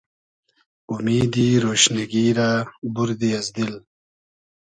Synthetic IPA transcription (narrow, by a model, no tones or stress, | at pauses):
umiːd̪iɾoːɕneɡiːɾabuɾd̪iɐzd̪il